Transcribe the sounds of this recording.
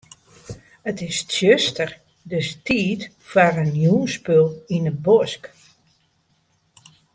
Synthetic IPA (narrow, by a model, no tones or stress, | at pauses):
ətɪssjøstər | døstiːt | faɾənjuːnspølˠinəbɔsk